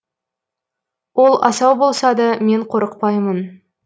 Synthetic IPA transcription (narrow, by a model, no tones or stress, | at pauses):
wʔo̞lˠɑ̰sɑwbolˠsɑd̪ɑme̞ɴqʰo̞ɾəqpɑjmən